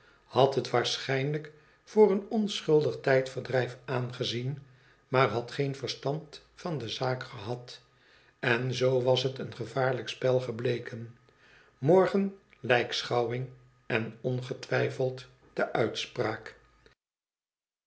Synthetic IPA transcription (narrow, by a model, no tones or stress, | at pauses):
hɑtɦətʋaːɹsχɛjnlək | fʊːrənɔnsχɵlˠdəχtɛjtfəɹdrɛjfaːnχəzin | maːɹɦɑtχejnvəɹstɑnt | fɑndəzaːkχəɦɑt | ɛnzowʋɑsɦətənχəvaːɹləkspɛlˠχəblejkən | mɔɹχən | lɛjksχɑwɪŋ | ɛnɔnχətʋɛjfəlˠt | d̥əʔœɥtspraːk